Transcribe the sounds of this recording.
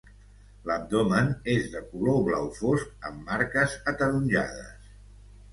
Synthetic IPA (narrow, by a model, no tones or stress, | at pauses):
ləb̚d̪omənezðəkuloβlawfoskə̰mːaɾkəzət̪əɾunʲʒa̰ðə̰s